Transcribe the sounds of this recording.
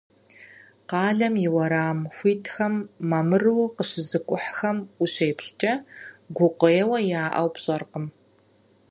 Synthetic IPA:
qɑːɮɐmjɪwɐɾaːmxʷiːtʰxɐmːɐmɨrɨwqəɕɪzɨkʷʼʊħxɐmʊɕeːpɬt͡ʃʼɐɡʷʊqʷɔjːwɐjaːʔɐ̰wpɕʼɐrqəm

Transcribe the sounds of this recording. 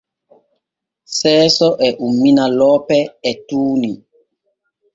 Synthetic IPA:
sɛːsɔʔɛʔumːinalɔːpɛɛtuːni

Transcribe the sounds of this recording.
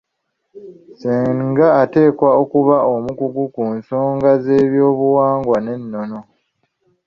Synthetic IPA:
siːŋɡaːte̞ːkwaokuβaʔo̞mukuɡukunso̞ːŋɡaze̞ːβjo̞ːβuwaːŋɡwane̞nːono̞

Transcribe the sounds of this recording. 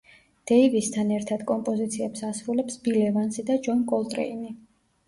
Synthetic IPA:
d̪̥ɛivist̪ʰanɛɾt̪ʰad̪̥kʼɔmpʼɔzit̪sʰiɛpsasɾulɛpsb̥ilɛvansid̪ad͡ʒɔnkʼɔlˠt̪ʼɾɛ̰ini

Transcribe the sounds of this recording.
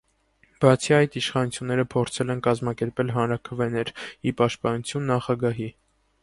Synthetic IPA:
b̥ɑt͡sʰiɑjt̪iʃχɑnut͡sʰjunːɛɾəpʰɔɾt͡sʰɛlɛnkɑzmɑkɛɾpɛlɦɑnɾɑkʰəvɛnɛɾipɑʃt̪̚pɑnut͡sʰjunːɑχɑɡɑɦi

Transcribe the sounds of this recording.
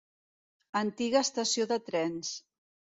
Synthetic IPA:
ənt̪iɣəːst̪əsioðət̪ɾɛns

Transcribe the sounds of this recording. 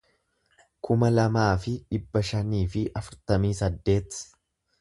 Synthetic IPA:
kʊmɐlɐmaːfɪᶑɪbːɐʃɐniːfɪʔɐfʊɾt̪ɐmiːsɐd̪ːe̞ːt̪

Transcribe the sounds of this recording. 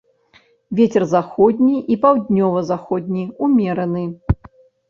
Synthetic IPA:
vʲet͡sʲɛrzaxɔd̪ʲnʲiʔipawd̪ʲnʲɔvɐzaxɔd̪ʲnʲiumʲɛɾɐnɨ

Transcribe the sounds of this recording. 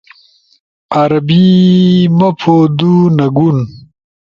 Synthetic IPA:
ɐɾɐbimɐpʰod̪unɐɡun

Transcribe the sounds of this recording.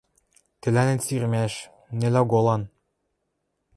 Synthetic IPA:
t̪ɘ̆lænɘ̆nsirmæʃ | nĕlæɡolˠɑn

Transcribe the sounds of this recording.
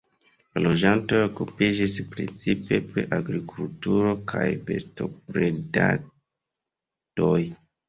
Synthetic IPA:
lalo̞d͡ʒanto̞jokupid͡ʒispɾḛt͡sipe̞pɾḛʔaɡɾikultuɾo̞kʰajpe̞̰sto̞pɾeda̰ | do̞j

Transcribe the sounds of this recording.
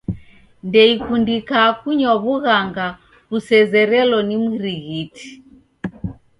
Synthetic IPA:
ndɛikundikakuɲɔβuɣaŋɡa | βusɛzɛɾɛlɔnimiɾiɣiti̥

